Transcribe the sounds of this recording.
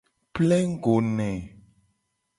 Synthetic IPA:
plɛ˦ŋ˦ɡo˨nɛ̃˨

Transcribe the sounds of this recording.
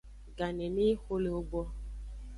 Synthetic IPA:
ɡa˨ne˨mi˦xʷo˦le˨o˦ɡ͡bɔ˦

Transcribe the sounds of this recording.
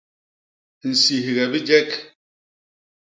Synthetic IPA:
n̩˨si˨ɦi˨ɣɛ˨bi˦d͡ʒɛ˦k

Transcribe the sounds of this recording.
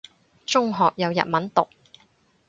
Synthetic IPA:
t͡sʊ˥ŋɦɔː˨k̚jɐ˨˧wjɐ̰˨t̚mɐ˨˥nt̪ʊ˨k̚

